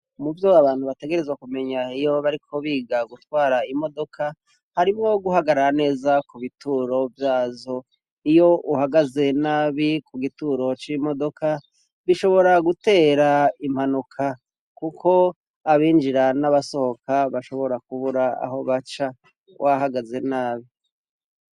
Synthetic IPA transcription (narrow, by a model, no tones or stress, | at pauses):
muvjoaβaːn̥huβate̞ɡe̞ɾezwakume̞ɲaijo̞βaɾikʰo̞βiːɡaɡutwaːɾaimo̞do̞kʰa | haɾimŋo̞ɡuhaɡaɾaɾane̞ːzakuβituɾo̞vjaːzo̞ | ijo̞ʔuhaɡaze̞naβikuɡituːɾo̞t͡ʃimo̞do̞kʰa | βiʃo̞βo̞ɾaɡute̞ːɾaim̥hanukʰa | kukʰo̞ | aβiːnd͡ʒiɾanaβaso̞ho̞kʰaβaʃo̞βo̞ɾak̚uβuɾaa̰ɦo̞βat͡ʃa | wʔaɦaɡaze̞naːβi